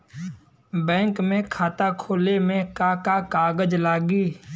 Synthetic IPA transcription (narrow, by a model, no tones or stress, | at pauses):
bɛ̃ːŋkmẽkʰaːt̪akʰoːlemẽkakakaːɡəd͡ʒlaːɡiː